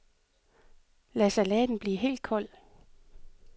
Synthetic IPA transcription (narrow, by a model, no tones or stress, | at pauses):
læsælɛːd̥n̩b̥liːɦe̝̰ːld̥̚kʰɒ̽l̰